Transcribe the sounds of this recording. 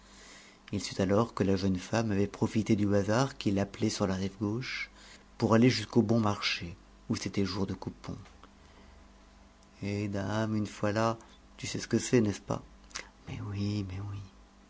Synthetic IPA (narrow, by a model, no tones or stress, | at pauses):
ilsyt̪alɔʁkəlaʒənfamavɛpχɔfit̪ed̪yazaʁkilaplɛsyʁlaʁɛvɡoʃ | puʁaleʒyskobɔ̃maʁʃe | uset̪ɛʒuʁd̪əkupɔ̰̃ | ed̪amynfwala | t̪ysɛsə̥kəsɛnɛspa̰mɛ̰wimɛwi